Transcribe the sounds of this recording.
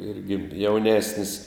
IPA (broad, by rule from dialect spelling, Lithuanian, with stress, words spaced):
ˈɪrʲɡʲɪ jɛʊˈnʲæːsʲnʲɪs